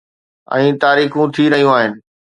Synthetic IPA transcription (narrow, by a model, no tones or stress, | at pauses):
ɛ̰̃ːt̪aːɾiːxũt̪ʰiɾɐɦijũaːɦɪnɪ̆